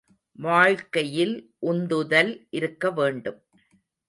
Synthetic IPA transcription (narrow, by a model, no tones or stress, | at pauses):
ʋaːɻkɐjɪlʔʊnd̪ɯðɐlʔɪɾɯkːɐʋeːɳɖɯm